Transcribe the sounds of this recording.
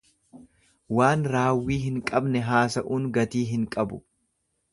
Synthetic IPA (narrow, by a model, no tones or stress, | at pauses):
waːnɾaːwːiːɦɪŋkʼɐbnɛɦaːsɐʔuːnɡɐt̪iːɦɪŋkʼɐbʊ̰